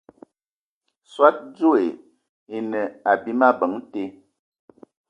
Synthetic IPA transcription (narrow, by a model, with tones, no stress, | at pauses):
swa˦t̚d͡zo˦e˨ | e˨nə˨a˨bi˦ma˦bə˨˦ŋ˦te˦